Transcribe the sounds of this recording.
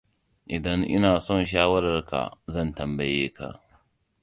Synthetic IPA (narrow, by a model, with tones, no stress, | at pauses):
ʔɪ˨dɐ˦ŋʔɪ̰˦naː˨sɔ˦˨nʃ̬aː˦wɐ˦ɾɐ˨rka̰˨zɐ˦˨ntɐ˨mbɐ˨jeː˦kʰa̰˨ʔ